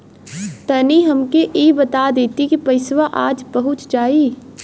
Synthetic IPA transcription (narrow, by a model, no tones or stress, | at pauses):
t̪ɐniɦɐmkeʔiːbɐt̪ad̪eːt̪ikipɐɪswaʔaːd͡ʒbɐɦʊt͡ʃd͡ʒaːiː